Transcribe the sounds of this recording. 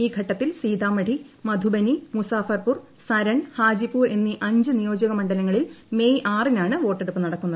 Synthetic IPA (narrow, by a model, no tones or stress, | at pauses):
iːɡʱɐʈːɐt̪ːilsiːd̪ʱaːmɐɽi | mɐd̪ʱubɐnimusaːfɐrpursɐɾɐɳhaːd͡ʑipuːre̞nːiʔɐɲd͡ʑɨnijo̞ːd͡ʑɐɣɐmɐɳɖɐlɐŋːɐɭilmejʔaːrinaːɳɨʋo̞ːʈːeɽupːɨnɐɽɐkːunːɐðɨ